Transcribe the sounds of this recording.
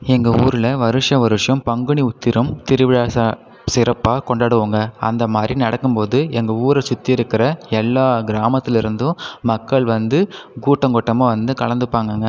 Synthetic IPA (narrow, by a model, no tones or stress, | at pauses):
ɛŋɡɐuːɾɪlɐʋɐɾɯʂɐʋɐɾɯʂɐmpɐŋɡɯɳiʊt̪ːɪɾɐmt̪ɪɾɯʋɪɽaːsɐ | sɪɾɐpːaːkɔɳɖaːɽɯʋaːŋɡɐɐ̰nd̪ɐmaːd̪ɾinɐɽɐkːɯmpoːðɯɛŋɡɐuːɾɐsʊt̪ːiɪɾɯkːɪɾɐɛlːaːɡɪɾaːmɐt̪ːɪlɪɾɯnd̪ɯ̃mɐkːɐɭʋɐnd̪ɯɡuːʈːɐŋɡɔʈːɐmaʋɐnd̪ɯkɐɭɐnd̪ɯpːaːŋɡɐŋɡɐ